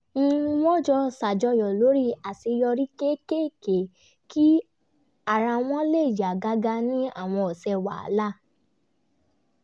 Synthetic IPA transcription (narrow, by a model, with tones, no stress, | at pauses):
n̩˦˧wɔ̃˦d͡ʒɔ˧sa˨d͡ʒɔ˧jɔ˨lo˨˦ɾi˦a˨ti˧jɔ˧ɾi˦ke˦ke˦ke˨ | ki˦ | a˦˨ɾa˧w̃ɔ̃˦le˦˨d͡ʒa˨ɡa˨˦ɡa˧nĩ˦a̰˦˨w̃ɔ̃˧ɔ˨sɛ˧wa̰˨a̰˨˦la˦˨